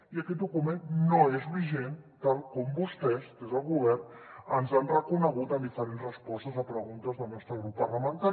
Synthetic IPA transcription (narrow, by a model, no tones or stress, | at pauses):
iəkɛt̪̚d̪ukumẽnnoezβiʒent̪alˠkɔmbust̪ɛsk̪ezəlˠɣuβɛrnənzanrəkunəɣ̞ut̪əmd̪ifəɾenzrəspɔst̪əzəpɾəɣunt̪əzðəlˠnɔst̪ɾəɣɾupːərləmənt̪aɾ